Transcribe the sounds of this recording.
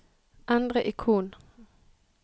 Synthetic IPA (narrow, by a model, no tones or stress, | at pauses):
ʔɛnd̪ʁəʔɪkʰuːn